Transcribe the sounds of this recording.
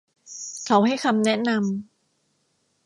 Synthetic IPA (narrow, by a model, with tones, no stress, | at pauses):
kʰa˦wɦa˥˩jxʰa˧mnɛ˦˥na˧m